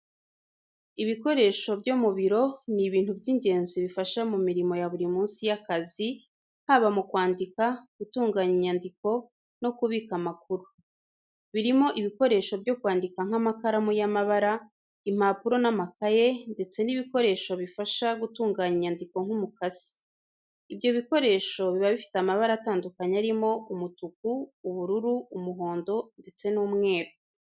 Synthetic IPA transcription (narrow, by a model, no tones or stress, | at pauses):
iβiko̞ɾe̞ːʃo̞bɟomuβiɾo̞niβiːntubɟiɲɟe̞ːnziβifaʃamumiɾimo̞jaβuɾimuːnsijakazi | ŋ̥haβamukwaːndikaɡ̥utuːŋɡaɲiɲandiko̞ | no̞kuβikamakuɾu | βiɾimo̞ʔiβiko̞ɾe̞ːʃo̞bjo̞kwaːndikaŋ̥hamakaɾamujamaβaɾa | im̥aːpuɾo̞namakaje̞nde̞t͡se̞niβiko̞ɾe̞ːʃo̞βifaʃaɡutuːŋɡaːɲiɲandiko̞ŋ̥humukazi̥ː | vjo̞βiko̞ɾe̞ːʃo̞βiβaβifi̥tamaβaɾaːtaːndukaɲaɾimo̞umutuk̚uːβuɾuɾuːmuɦo̞ːndo̞nde̞t͡se̞nuːmŋe̞ːɾo